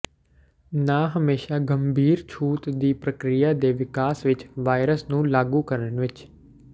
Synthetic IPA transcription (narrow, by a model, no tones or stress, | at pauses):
naːɦəmeːʃaːɡəmbʱiːɾt͡ʃʰuːt̪d̪iːpɾəkɾɪjaːd̪eːʋɪkaːsʋɪt͡ʃʋaːɪɾəsnũːlaːɡuːkəɾənʋɪt͡ʃ